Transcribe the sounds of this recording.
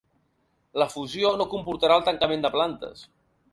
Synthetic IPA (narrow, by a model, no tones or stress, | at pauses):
ləfuzionokumpuɾt̪əɾaəlˠt̪əŋkəmend̪əplant̪ə̰s